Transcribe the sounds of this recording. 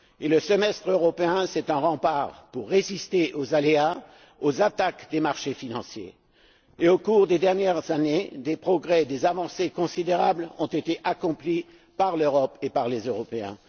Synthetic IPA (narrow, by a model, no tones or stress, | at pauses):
eləsəmɛst̪χøʁɔpeɛ̃sɛt̪ɛ̃ʁɑ̃paʁpuʁːezist̪eʔozalea | ozat̪akd̪emaʁʃefinɑ̃sjḛː | okuʁd̪ed̪ɛʁnjɛʁzaned̪epχɔɡʁɛd̪ezavɑ̃sekɔ̃sid̪eʁablɔ̃t̪et̪eʔakɔ̃pli | paʁløʁɔpepaʁlezøʁɔpeɛ̰̃